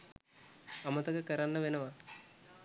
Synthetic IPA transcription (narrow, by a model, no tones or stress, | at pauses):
ɐmɐt̪ɐɡɐkɐɾanːɐʋenɐʋa